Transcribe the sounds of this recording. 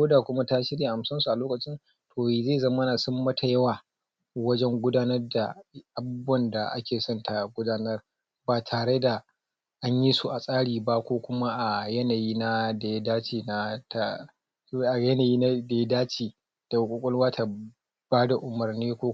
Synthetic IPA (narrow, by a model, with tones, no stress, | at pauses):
oː˦daː˨kʷʊ˦ma˦ta˦ʃɪ˦ɽja˨ʔa˨msɐ˦nsu˨ʔa˨loː˦kɐ˨t͡ʃɪ˦n | tʰoː˨ze˦˨zɐ˦mɐ˦na˨sʊ˦mːɐ˦tʰa˨jɐ˦waː˨ | wɐ˦d͡ʒɛ˦ŋɡʷʊ˦daː˦nɐ˦rda˨ʔa˨bʊ˦bʊ˦ɐ˨nda˨ʔa̰˦kʲeː˨sɔ˦ntʰa˨ɡʷʊ˦daː˦nɐ˦r | baː˨tʰaː˨ɽe˦da˨ | ʔa˦ɲji˦su˦ʔa˨sʼaː˦ɽiː˨ba˦kʷoː˦kʷʊ˦ma˦ʔa˨jɐ˦naː˨jiː˦na˦da˨˦daː˦t͡ʃiː˨na˦ta˦ | ʔa˨jɐ˦naː˨jiː˦na˦de˨˦daː˦t͡ʃiː˨ | d̥a˨wkʷʼʊ˨kʷʼʊ˦lwaː˦tʰa˨ | b̥aː˦da˨ʔʊ˨mɐ˨rniː˦kʷoː˦